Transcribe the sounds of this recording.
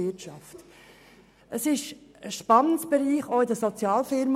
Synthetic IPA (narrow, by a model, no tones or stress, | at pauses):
ɪtt͡ʃɑft | ʔəsɪʃəʃpɑnənsb̥ɛɾiːχɔɪdəsɔt͡sjɑːlfɪɾm